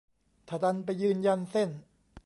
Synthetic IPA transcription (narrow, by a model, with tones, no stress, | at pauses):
t̪ʰa˨˧˩d̪a˧np̬a˧jːɯː˧nja˧nse˥˩n